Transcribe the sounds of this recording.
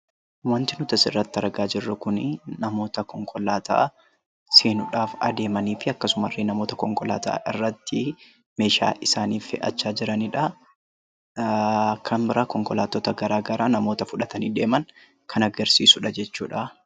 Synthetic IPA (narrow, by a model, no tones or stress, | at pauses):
wɐnt̪ɪnʊt̪ɐsɪrːɐt̪ːɪɐɾɐɡaːd͡ʒɪrːɐkʊnɪnɐmo̞ːt̪ɐkɔŋkʰɔlaːt̪ʰa̰ː | seːnʊᶑaːfɐ̰d̪e̞ːmɐniːfɪɐkːɐsʊmɐrːenɐmo̞ːt̪ɐkɔŋkɔla̰ːt̪a̰ːʔɪrːɐt̪ːɪ | me̞ːʃa̰ːʔɪsaːniːfɛ̰ʔɐ̰t͡ʃːaːd͡ʒɪɾɐnɪᶑɐ | ɐkʰːɐmbɪɾɐkɔŋkɔlaːt̪ɔːt̪ɐɡɐɾaːɡɐɾaːnɐmo̞ːt̪ɐfʊᶑɐt̪ɐniːd̪e̞ːmɐn | kʰɐnɐɡɐɾsiːsʊᶑɐd͡ʒɛt͡ʃːuːᶑɐ